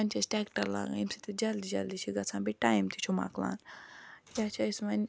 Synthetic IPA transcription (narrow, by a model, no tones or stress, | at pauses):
ɐnʲt͡ʃʰɐsʈeːkʈɐɾla̰ːɡa̰imsit̪id͡ʒɐld̪id͡ʒɐld̪it͡ʃʰiɡɐt͡sʰãːbiʈaːjmt̪ʰit͡ʃʰuma̰ːkla̰ːnjaːt͡ʃʰaismɐnʲ